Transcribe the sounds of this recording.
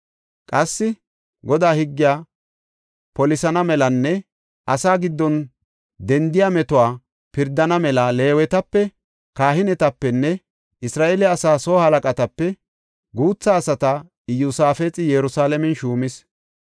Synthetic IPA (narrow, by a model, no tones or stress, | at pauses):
kʼɐsːɪ | ɡɔd̪aːhɪɡːɪjaː | pɔlɪsɐnɐmɛlɐnːɛ | ʔɐsaːɡɪd̪ːɔn | d̪ɛnd̪ɪjamɛt̪ʊwaː | pɪɾd̪ɐnɐmɛlɐle̞ːwɛt̪ɐpːɛ | kaːhɪnɛt̪ɐpːɛnːɛ | ɪsɾaːʔɛlɛɐsaːsoːhɐlɐkʼɐt̪ɐpːɛ | ɡuːt͡sːɐːsɐt̪ɐ | ɪjʊsaːfet͡sʼɪjɛɾʊsaːlɛmɛnʃuːmɪs